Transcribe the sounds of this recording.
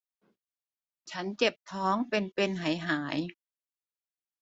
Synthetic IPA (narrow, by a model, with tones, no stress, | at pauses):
t͡ɕʰa˦˥nt͡ɕe˨˩p̚t̪ʰɔː˦˥ŋpe˧npe˧nɦa˨˩˦jɦaː˩˦j